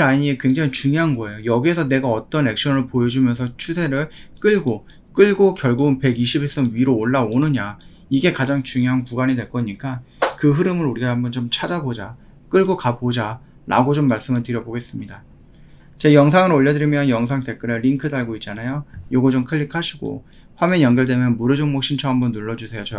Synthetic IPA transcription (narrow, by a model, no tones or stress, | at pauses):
aɲie̞kwe̞ŋd͡ʑaŋit͡ɕuŋjoɦanɡʌe̞jojʌɡiesʰʌne̞ɡaʌt͈ʌne̞k̚ɕ͈ʰʌnɯɭpojʌd͡ʑumjʌnsʰʌt͡ɕʰusʰe̞ɾɯɭk͈ɯɭɡo | k͈ɯɭɡokjʌɭɡuɡɯnpe̞ɡiɕʰibes͈ʌnɥiɾoːɭːaonɯɲa | iɡe̞kad͡ʑaŋt͡ɕuŋjoɦankuɡaɲidwe̞ɭk͈ʌɲik͈akɯɦɯɾɯmɯɾuɾiɡaambʌnt͡ɕomt͡ɕʰad͡ʑabod͡ʑa | k͈ɯɭɡokabod͡ʑa | na̰ɡod͡ʑomːaɭs͈ɯmɯɭtɯɾjʌboɡe̞s͈ɯmɲida | t͡ɕe̞jʌŋsʰaŋɯɾoʎːʌdɯɾimjʌnjʌŋsʰaŋte̞k͈ɯɾeːiŋkʰɯdaɭɡoit̚t͡ɕ͈anajojoɡʌd͡ʑomkʰɯɭːikʰaɕʰiɡo̰ | ɸwamejʌŋɡʌɭd͈e̞mjʌnmuɾɯd͡ʑɯŋmok̚ɕ͈ʰint͡ɕʰʌɦambʌnːuɭːʌd͡ʑusʰe̞jot͡ɕʌ